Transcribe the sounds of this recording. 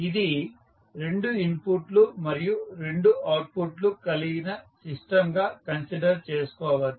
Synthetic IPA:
id̪i | ɾe̞ɳɖuimpuʈlumɐɾijuɾe̞ɳɖuʔaːʈ̚puʈlukɐliɡinɐsisʈɐmɡaːkɐnsiɖɐɾt͡ʃeːsu̥kɔːʋɐdi

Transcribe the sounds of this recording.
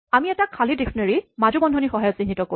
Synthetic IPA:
amiɛtakʰalidifʰneɹimad͡ʒubɔndʱɔnixɔɦajɔtsĩnitɔko

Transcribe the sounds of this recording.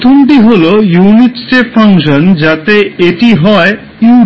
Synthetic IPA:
t̪ʰomʈiɦolojuniʈsʈeʈfaŋʃond͡ʑat̪eeʈiɦɔe | ju

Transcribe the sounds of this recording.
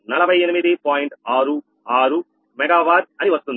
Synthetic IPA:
nɐlɐbʱɐjenimid̪ipaːjiɳʈaːɾu | aːɾu | mɛɡaːʋaːɾɐniʋɐst̪und̪i

